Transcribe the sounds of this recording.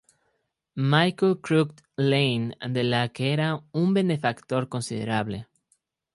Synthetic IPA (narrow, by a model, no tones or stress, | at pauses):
majkolkɾukt̪ | lejnd̪elakeeɾaumbe̞ne̞fakt̪o̞ɾko̞nsiðḛɾaβle̞